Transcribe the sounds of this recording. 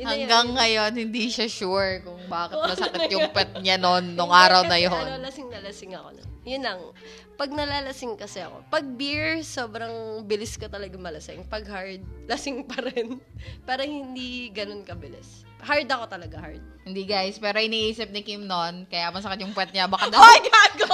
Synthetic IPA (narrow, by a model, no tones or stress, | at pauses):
jhɐŋɡaŋːɐjo̞nhɪnd̪iʃɐʃuɹkʊŋbaːkɪt̪̚mɐsɐkɪt̪jʊŋpwɛt̪̚ɲanonːoŋʔaːɾɐwnɐjoɐlɐsɪŋnɐlɐsɪŋɐko̞̰no̰njʊnlɐŋ | pɐɡ̚nɐlaːlɐsɪŋkɐsɛɐ̰ko̞̰pɐɡ̚biɹsoːbɾɐŋbɪlɪskɐt̪ɐlɐɡamɐlɐsɪŋpɐɡ̚haɹd̪̚lɐsɪŋpɐɾɛnpɛːɾohɪnd̪iɡɐnonkɐbɪlɪ̰s | haɹd̪ɐko̞t̪ɐlɐɡaha̰ɹd̪̚hɪnd̪iɡajspɛːɾo̞ʔɪniʔiːsɪp̚nɪkimnonkɐjamɐsɐkɪt̪̚jʊŋpwɛt̪̚ɲabɐkɐd̪ɐaɡako